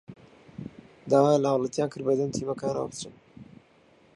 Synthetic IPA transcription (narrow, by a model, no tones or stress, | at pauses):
d̪aːwaːjənlɐhawlɑt̪ijaːnkʰɨɾd̪̚bɐd̪ɐnt̪ʰiːmɐkaːna̰wa̰bɨt̪ɾɨn